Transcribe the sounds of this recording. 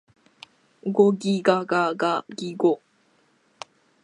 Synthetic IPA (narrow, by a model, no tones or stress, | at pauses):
ɡoɡiɡaɡaɡaɡiɡo